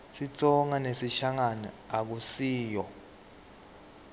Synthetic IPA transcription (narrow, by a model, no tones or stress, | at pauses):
sit͡sʼɔŋanesiʃaŋanḭak̬usiːjɔ